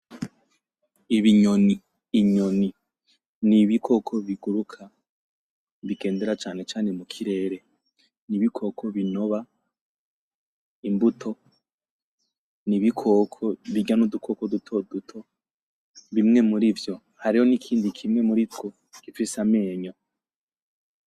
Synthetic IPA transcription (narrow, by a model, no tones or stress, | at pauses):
iβiɲoniː | ɲoni | niβikʰo̞kʰo̞βiɡuɾukʰa | βiɡe̞ːnde̞ɾat͡ʃaːne̞t͡ʃaːne̞mukʰiɾe̞ːɾe̞ | niβikʰo̞kʰo̞βino̞βa | imbutʰo̞ | niβikʰokʰoβiɡanudukʰo̞kodutʰo̞dutʰo̞ | βimŋe̞muɾivjo̞ | haɾiho̞nikʰiːndikʰimŋe̞muɾitɡo | kifisame̞ːɲo